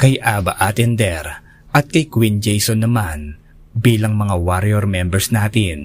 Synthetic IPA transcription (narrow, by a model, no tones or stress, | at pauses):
kɐjʔaːbɐʔat̪ɛnd̪ɛɾ | ʔɐt̪̚kɐjkwind͡ʒɛjsonːɐman | biːlɐŋmɐŋawaɾɛɾmɛmbɛɹsnaːt̪ɪn